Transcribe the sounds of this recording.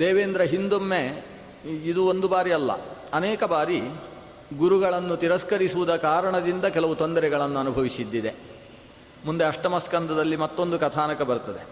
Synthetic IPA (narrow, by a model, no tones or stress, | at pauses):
d̪eːʋeːnd̪ɾɐɦind̪omːe | id̪uond̪ubaːɾiɐlːɐ̰ɐnɛːkɐbaːɾi | ɡuɾuɡɐɭɐnːut̪iɾɐskɐɾisuʋud̪ɐkaːɾɐɳɐd̪ind̪ɐkɛlɐʋut̪ond̪ɐɾɛɡɐɭɐnːuɐnubʱɐʋisid̪ːid̪e̞ | mund̪eɐʂʈɐmɐskɐnd̪ɐd̪ɐlːimɐt̪ːo̞nd̪ukɐt̪ʰaːnɐkɐbɐɾut̪ɐd̪e